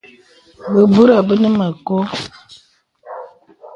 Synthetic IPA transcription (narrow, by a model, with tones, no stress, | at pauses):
bə˨bu˦ɾa˨bə˦nə˦mə˨ko˦